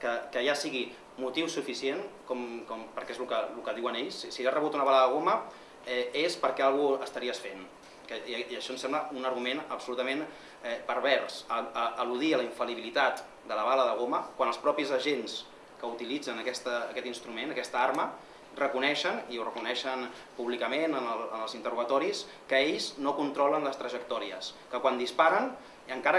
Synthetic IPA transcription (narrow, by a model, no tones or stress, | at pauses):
kəkəjasiɣi | mut̪iwsufisienkɔmkɔmpəɾkɛezlukəlukəðiwəneʎssiarəβut̪unəβaləðəɣ̞omə | ɛespəɾkɛalˠɣuəst̪ɐɾiəsfen | kəiiəʃɔnsɛmbləunəɾɣumenəpsulut̪əmẽn | ɛpəɾβ̞ɛɾsəəːluðiələiɱfəliβilit̪at̪ | d̪ələβaləðəɣ̞oməkwanəlˠspɾɔpizəʒens | kəut̪ilid͡zənəkɛst̪əːkɛt̪inst̪ɾumenəkɛst̪əaɾmə | rəkunɛʃəniurəkunɛʃən | puβlikəmenənələnəlˠzint̪əruɣət̪ɔɾis | kəeʎznokunt̪ɾɔlənləst̪ɾəʒək̚t̪ɔɾiə̰skəkwand̪ispaɾən | əŋkaɾə